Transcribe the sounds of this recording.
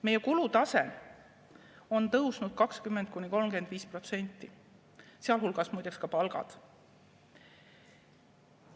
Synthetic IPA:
me̞jːe̞kulut̪ɑse̞ | o̞nt̪ɤwsnud̪̥̚kɑkskymːend̪̥̚kuniko̞lmɡe̞nd̪̥viːspro̞t̪se̞nʲt̪ːˑi | seɑlɦulɡ̥ɑsmujd̪ekskɑpɑlɡ̥ɑ̰d̪̥

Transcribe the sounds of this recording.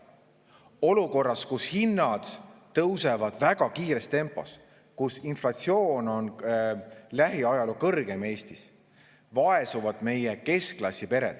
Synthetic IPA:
o̞luko̞rːɑskushinːɑd̪̥t̪ːɤwse̞vɑd̪̥væɡ̥ɑkiːɾest̪e̞mpːˑo̞s | kusinflɑt̪sio̞ːno̞n | læɦiɑjɑlukɤrɡ̥e̞me̞ːst̪is | vɑe̞suvɑd̪̥me̞jeke̞sklɑsʲipe̞ɾe̞̰d̪̥

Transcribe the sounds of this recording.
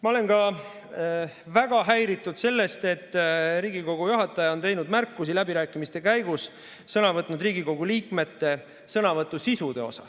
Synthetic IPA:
mɑo̞le̞nkɑ | væɡ̥ɑɦæjɾit̪ːˑud̪̥se̞lːe̞st̪e̞t̪ːɾiːɡiko̞ɡ̥ujuɦɑt̪ːˑɑjɑo̞nt̪e̞jnud̪mærkːˑusilæbiɾæːkːˑimist̪e̞kæjɡus | sɤnɑvɤt̪ːˑnud̪riːɡiko̞ɡ̥uliːkme̞t̪ːe̞ | sɤnɑvɤt̪ˑːusisud̪̥e̞̰o̞̰sɑ̰s

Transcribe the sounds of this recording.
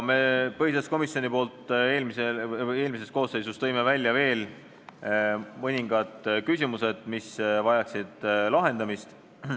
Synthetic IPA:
me̞pɤhit̪ɑsko̞misjo̞nʲipo̞ːlt̪ːˑe̞ːlmisee̞ːlmis̬e̞st̪ko̞ːsːe̞jsust̪ɤjme̞vælʲːjɑve̞ːl | mɤnʲiŋɡ̥ɑd̪̥kysʲimuse̞d̪̥misvɑjɑksid̪̥lɑɦe̞nd̪̥ɑmist̪

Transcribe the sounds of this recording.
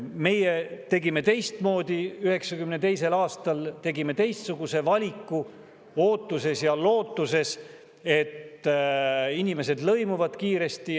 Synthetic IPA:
me̞jet̪e̞ɡime̞t̪e̞jst̪mo̞ːd̪̥iyhe̞ksɑkymnet̪e̞jse̞lɑːst̪ɑlt̪e̞ɡime̞t̪e̞jst̪suɡ̥use̞vɑlʲikːu | o̞ːt̪ːuse̞sjɑlo̞ːt̪ːˑuse̞s | e̞t̪ː | inʲime̞s̬e̞d̪lɤjmuvɑd̪̥kiːɾe̞st̪i

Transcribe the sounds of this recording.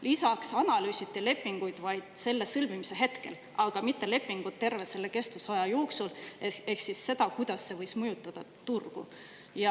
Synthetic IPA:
lisɑksɑnɑlyːsit̪ːile̞pːˑiŋɡ̥ujd̪̥vɑjd̪̥se̞lːe̞sɤlmimise̞ɦe̞t̪ke̞̰l | ɑɡ̥ɑmit̪ːe̞le̞pːiŋɡ̥ut̪̚t̪ːe̞rvese̞lːeke̞st̪usɑjɑjo̞ːksulee̞hksisːe̞d̪̥ɑkujd̪̥ɑsːe̞vɤjsmɤjut̪ˑːɑd̪̥ɑ | t̪urɡ̥ṵ | jɑ

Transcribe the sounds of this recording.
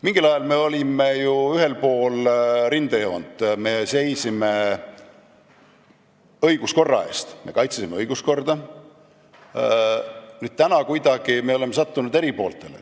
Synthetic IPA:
miŋɡ̥ilɑjɑlme̞o̞lʲimejuyɦe̞lpo̞ːlrind̪ɑjoːnd̪̥me̞se̞jsime̞ | ɤjɡ̥usko̞rːɑ̰e̞̰st̪me̞̰kɑjt̪sesimeɤjɡ̥usko̞rd̪̥ɑ | nyːd̥̪̚t̪ænɑkujd̪̥ɑɡ̥ime̞o̞le̞mesɑt̪ːunud̪e̞ɾipo̞ːlt̪ˑe̞lḛ

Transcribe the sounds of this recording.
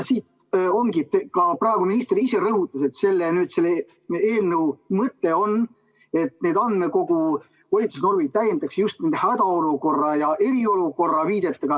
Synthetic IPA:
siːt̪ | o̞ŋɡit̪ːekɑprɑe̞ɡ̥uminist̪rise̞ɾɤɦut̪ːˑɑs̬e̞t̪se̞lːenyːd̪̥se̞lːe | eːlnəumɤt̪ːe̞o̞n | e̞t̪ne̞ːd̪ɑnd̪meko̞ɡ̥u | vɑlʲit̪susno̞rmit̪æjend̪ɑksejust̪nind̪ehæd̪ɑo̞luko̞rːɑjɑʔe̞ɾio̞luko̞rːɑviːd̪̥e̞t̪ːˑɑɡ̥ɑ

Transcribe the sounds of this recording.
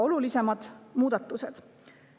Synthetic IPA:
o̞lulise̞mɑd̪̥muːd̪̥ɑt̪ːˑuse̞d̪̥

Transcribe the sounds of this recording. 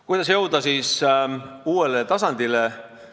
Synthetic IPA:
kujd̪̥ɑs̬jɤwd̪̥ɑsiːs | uːe̞let̪ɑsɑnd̪̥ile̞

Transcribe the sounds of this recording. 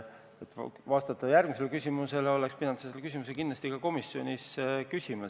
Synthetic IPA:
et̪ːvɑst̪ɑt̪ːˑɑjærɡ̥̚mise̞lekysʲimuse̞leo̞lekspid̪ɑnɑseselːekys̬ʲimus̬e̞kindlɑst̪ikɑko̞misːjo̞nʲiskysʲime

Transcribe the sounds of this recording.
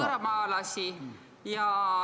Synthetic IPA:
ɾɑmɑlɑsi | jɑ

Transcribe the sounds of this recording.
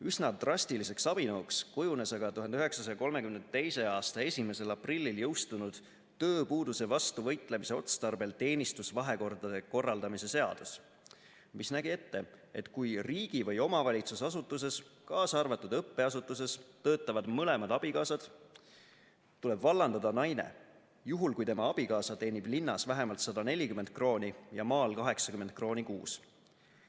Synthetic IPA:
yznɑt̪rɑsʲt̪ilise̞ksɑb̥inoːkskujune̞sɑɡɑt̪uɦɑnd̪yɦe̞ksɑsɑjɑko̞lme̞kymnt̪e̞jse̞ɑːst̪ɑe̞sʲime̞se̞lɑprilʲːiljɤwst̪unud̪̥ | t̪øːpuːd̪use̞vɑst̪uvɤ̞jt̪ˑle̞mise̞o̞t̪st̪ɑrbe̞lt̪e̞ːnist̪usvɑɦe̞ko̞rd̪̥ɑd̪̥e̞ko̞rːɑld̪ɑmise̞se̞ɑ̰d̪̥us | misnæɡie̞t̪ːe̞e̞t̪kujriːɡ̥ivɤjo̞mɑvɑlʲit̪susɑsut̪ːˑuse̞skɑːsɑrvɑt̪ːud̪ɤpːe̞ɑsut̪ːˑus̬e̞st̪ɤːt̪ːˑɑvɑd̪̥mɤle̞mɑd̪̥ɑb̥ikɑːsɑd̪̥ | t̪ːule̞b̥vɑlːɑnd̪̥ɑd̪ɑnɑjnḛ | juɦulkujt̪e̞mɑɑb̥ikɑːsɑt̪e̞ːnib̥linːɑsvæɦe̞mɑlt̪sɑd̪̥ɑne̞lʲikymːe̞nt̪̚kro̞ːnʲijɑmɑːlkɑɦe̞ksɑ̥kymːent̪̚kro̞ːnʲikṵːs

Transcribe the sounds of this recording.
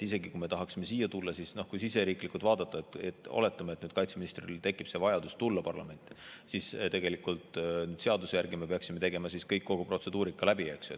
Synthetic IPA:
ise̞ɡikume̞t̪ɑɦɑksime̞siːjːɑt̪ulːɑsisno̞hkujsise̞ɾiːklikult̪vɑːd̪̥ɑt̪ːˑɑet̪et̪ːˑo̰le̞t̪ːˑɑmet̪ːnyːd̪̥kɑjt̪seminist̪rḭlt̪e̞kːˑipse̞vɑjɑd̪ust̪ulːɑpɑrlɑ̰me̞nt̪ːˑsist̪e̞ɡe̞likːˑult̪nyːd̪̥se̞ɑd̪usjærɡime̞peɑksime̞t̪e̞ɡe̞mɑsiskɤjkːo̞ɡ̥upro̞t̪se̞d̪̥uːɾikːˑɑlæbiekso

